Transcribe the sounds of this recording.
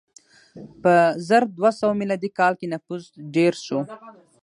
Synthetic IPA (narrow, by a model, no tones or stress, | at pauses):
pəzəɾd̪wasawamilɑd̪ikɑlkenafuzɖeɾʃo